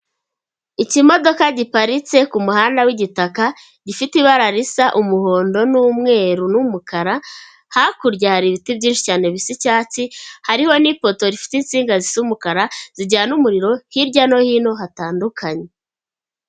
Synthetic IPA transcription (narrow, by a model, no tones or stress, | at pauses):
icimo̞do̞kaɟipaɾit͡se̞kumuhaːndawiɟitaka | ɟifitiβaɾaɾisaʔumuho̞ːndo̞nuːmŋe̞ːɾunumukaɾa | hakuɾɟahaɾiβitibɟiːnʃi̥caːne̞βisicaːt͡sihaɾiho̞nipo̞to̞ɾifi̥tint͡siːŋɡazisumukaɾaz̥iɟaːnumuɾiɾo̞hiɾɟano̞hino̞hataːndukʰaɲe̞